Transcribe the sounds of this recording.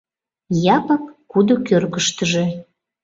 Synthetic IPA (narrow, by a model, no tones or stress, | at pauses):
jɑpəkːud̪okørkəʃt̪əʒe